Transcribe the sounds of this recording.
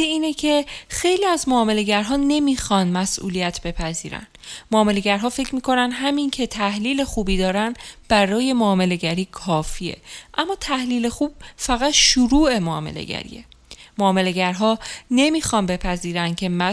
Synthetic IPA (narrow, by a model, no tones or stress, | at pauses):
iiːnecʰe̞xe̞jliːæzmoːme̞le̞ɟæɾɦɒːne̞miːxɒnmæsʔṵːlijæt̪ʰbe̞pʰæziːɾæ̰n | moːme̞le̞ɟæɾɦɒːfe̞cʰmiːkʰo̞nænd̪ɦæmincʰe̞t̪ʰæhliːle̞xuːbiːd̪ɒːɾænb̥æɾɒːje̞moːme̞le̞ɟæɾiːkʰɒːfiːe̞̰ʔæmːɒːt̪ʰæhliːle̞xuːb̥̚fæɣæt̪ʃuɾuːe̞moːmḛlḛɟæ̰ɾḭːe̞̰moːme̞le̞ɟæɾɦɒːne̞miːxɒnbe̞pʰæziːɾænd̪̥cʰe̞mæ